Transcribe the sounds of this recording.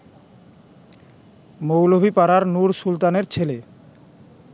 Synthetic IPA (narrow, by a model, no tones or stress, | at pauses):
mowlobʱipaɾaɾnuɾʃult̪aneɾt͡ɕʰele